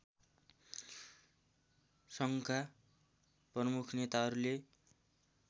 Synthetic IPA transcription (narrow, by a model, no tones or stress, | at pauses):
sʌŋkʰa | prʌmukʰnet̪aɦʌɾule